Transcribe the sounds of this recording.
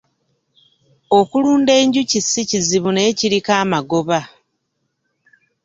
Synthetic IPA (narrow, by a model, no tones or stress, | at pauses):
o̞kuluːnde̞ːɲɟucisiciziβune̞ːciɾikaːmaɡo̞βa